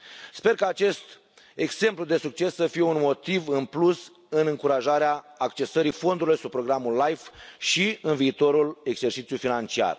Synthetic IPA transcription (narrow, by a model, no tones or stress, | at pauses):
spe̞rkaːt͡ʃe̞st̪ | e̞ɡse̞mplud̪e̞suk̚t͡ʃe̞sːəfijeunmo̞t̪ivɨnplus | ɨnɨŋkuɾaʒaɾeaːkt͡ʃe̞səɾifo̞nd̪uɾilujsub̚pːɾo̞ɡɾamulːajfʃiɨnviːt̪o̞ɾule̞ɡse̞rt͡ʃit̪sijujfinant͡ʃia̰r